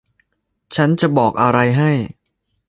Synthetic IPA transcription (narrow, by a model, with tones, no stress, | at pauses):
t͡ɕʰa˦˥nt͡ɕa˨˩bɔː˨˩k̚ʔa˧ɾa˧jɦa˥˩j